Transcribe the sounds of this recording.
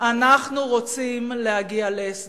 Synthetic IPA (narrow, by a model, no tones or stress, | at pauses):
ʔanaχnuʁot͡simlehaɡialees